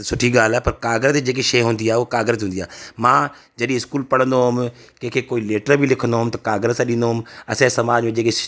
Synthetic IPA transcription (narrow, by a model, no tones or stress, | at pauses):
sʊʈʰiɡaːlɛːpɐɾkaːɡɾəzd͡ʒeːk̬eʃeːɦʊ̃ːnd̪iaːeʊokaːɡɾəzɦʊ̃ːnd̪ijaːmãː | d͡ʒɐɗĩɪskuːlpɐɽə̃nd̪oɦʊm | kẽːkʰekoːileːʈəɾbʱilɪkʰə̃nd̪oɦʊmt̪ɐkaːɡɾəzsãɗĩnd̪oɦʊmɐsãsɐmaːd͡ʒmẽd͡ʒeːke